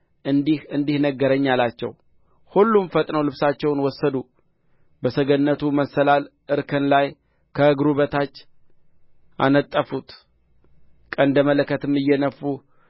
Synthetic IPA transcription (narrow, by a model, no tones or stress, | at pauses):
ɨd̪ihɨnd̪ihnəɡːəɾəɲːalat͡ʃːɛ̰w | hulːumfət̪ʼnəwlɨβsat͡ʃːɛwnwɔsːəd̪u | bəsəɡənːət̪ʰuməsəlalʔɨɾkʰənlaj | kʰəɨɡɾuβət̪ʰat͡ʃː | ʔa̰nət̪ʼːəfut̪ | kʼənd̪əmələkːət̪ɨmːɨjːɛnəfːu